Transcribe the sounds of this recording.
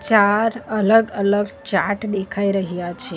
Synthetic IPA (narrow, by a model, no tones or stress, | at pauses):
t͡ʃaɾələɡələɡt͡ʃa̰ʈd̪ekʰaiɾəɦijat͡ʃʰe